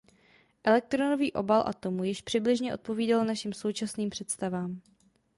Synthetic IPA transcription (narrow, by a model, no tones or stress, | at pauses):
ʔɛlɛk̚t̪ɾonoviːʔo̞̰balʔa̰t̪o̞mujɪʃpr̝̥ɪblɪʒɲɛʔo̞t̪̚po̞viːdalnaʃimso̞wt͡ʃasniːmpr̥ɛt̪st̪avaːm